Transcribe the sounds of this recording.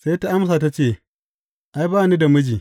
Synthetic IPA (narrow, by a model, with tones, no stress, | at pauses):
se˦ta˦ʔa˦ms̬aː˨ta˦t͡ʃeː˦˨ | ʔa˦jbaː˦˨ni˦da˨mʊ˦d͡ʒiː˨